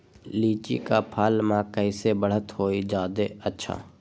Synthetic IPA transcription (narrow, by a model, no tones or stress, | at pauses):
liːt͡ʃḭkapʰaːlmãkəɪsebəɽ̤ət̪ɦoːid͡ʒaːd̪eətːʃʰa̰ː